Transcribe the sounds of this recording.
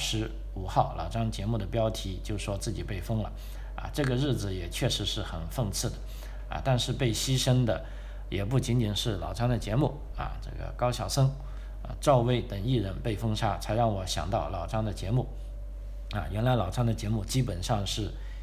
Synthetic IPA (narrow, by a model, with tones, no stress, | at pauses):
ʂɻ̩˧˥ | u˨˩xɑ˥˩ʊlʔɑ̰˨˩ʊʈ͡ʂɑ˥ŋt͡ɕjɛ˧˥mu˥˩d̪ə˩pjɑ˥ʊt̪ʰi˧˥t͡ɕjo˥˩ʊʂwɔ˥t͡sɹ̩˥˩t͡ɕi˨˩pe˥˩ɪfɤ˥ŋlə̰˩ | ɐ̰˧ʈ͡ʂɤ˥˩ɡə˩ɻɻ̩˥˩d͡zɹ̩˩jɛ˨˩t͡ɕʰɥɛ˥˩ʂɻ̩˧˥ʂɻ̩˥˩xə˨˩nfɤ˥˧ŋt͡sʰɹ̩˥˩d̪ə˩ | ɐ̰˧t̪a˥˧nʂɻ̩˥˧pe˥˩ɪɕi˥ʂə˥ŋd̪ə˨ | jɛ˨˩p̬u˥˩t͡ɕi˧˥nt͡ɕi˨˩nʂɻ̩˥˩lɑ˨˩ʊʈ͡ʂɑ˥ŋd̪ə˨t͡ɕjɛ˧˥mu˥˩ | ɐ̰˧˩ʈ͡ʂɤ̰˥˩ɡə̰˩kɑ˥ʊɕjɑ˨˩ʊsɤ˥ŋ˧ | ʈ͡ʂɑ˥˧ʊwe˥ɪt̪ə˨˩ŋi˥˩ɻə˧˥npe˥˩ɪfɤ˥ŋʂʰa˥t͡sʰa˧˥ɪɻɑ˥˩ŋwɔ˧˥ɕjɑ̰˨˩ŋt̪ɑ˥˩ʊlɑ˨˩ʊʈ͡ʂɑ˥ŋd̪ə˨t͡ɕjɛ˧˥mu˥˩ | ɐ̰˧ɥɛ˧˥nla˧˥ɪlɑ˨˩ʊʈ͡ʂɑ˥ŋd̪ə˨t͡ɕjɛ˧˥mu˥˩t͡ɕi˥pə˨˩nʂɑ˥˧ŋʂɻ̩˥˩